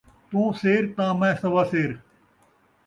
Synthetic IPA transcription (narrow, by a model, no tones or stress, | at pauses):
t̪õːseːɾt̪ãːmẽːsəʋaːseːɾ